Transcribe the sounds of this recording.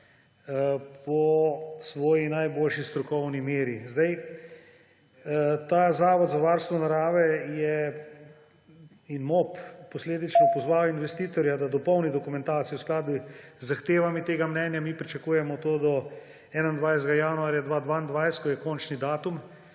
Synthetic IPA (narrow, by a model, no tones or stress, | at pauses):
pɔsʋɔːjinajboːlʃist̪ɾɔkɔwnimeːɾizd̪aj | t̪aːzaːʋɔd̪zaʋaːɾst̪ʋɔnaɾaːʋɛjɛ | inmoppɔsleːd̪it͡ʃnɔpɔzʋawinʋɛst̪iːt̪ɔɾjad̪ad̪ɔpɔwnid̪ɔkumɛ̃nt̪aːt̪sijɛwsklaːd̪uzːaxt̪eːʋamit̪eːɡamnɛːnjamiːpɾit͡ʃakuːjɛmɔt̪oːd̪ɔ | ɛːnand̪ʋajst̪ɡajaːnuaːɾjad̪ʋaːd̪ʋand̪ʋajst̪kɔjɛkɔnt͡ʃnid̪aːt̪um